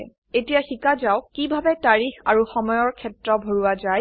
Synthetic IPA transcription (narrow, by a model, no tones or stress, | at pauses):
etijaxikazawkibʱabɛtaɹixaɹuxɔmɔjɔɹkʰɛtɹɔbʱoɹuazaj